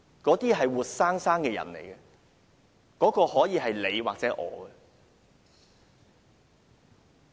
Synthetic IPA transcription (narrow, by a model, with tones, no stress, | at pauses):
kɔː˨˥t̪iː˥ɦɐ˨jwuː˨t̚saː˥ŋsaː˥ŋkɛː˧jɐ̰˨˩nlḛ˨˩jɡɛ˧ | kɔː˨˥kɔː˧hɔː˨˥jiː˨˧ɦɐ˨jle˨˧jwaː˨k̚t͡sɛː˨˦˥ʔɔ̰ː˨˧ɡɛ˧